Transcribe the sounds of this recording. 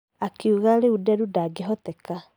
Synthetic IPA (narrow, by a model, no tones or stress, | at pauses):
akiuɣaleudɛɾudaɡeɦɔtɛka